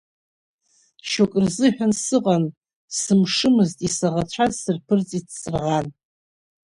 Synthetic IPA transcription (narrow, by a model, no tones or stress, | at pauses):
ʃokʼrzɨħᶣansɨqʼan | sɨmʂɨmɨztʼisaʁat͡ɕʷʰazsɨrpʰɨrt͡sʼitʰsɨrʁan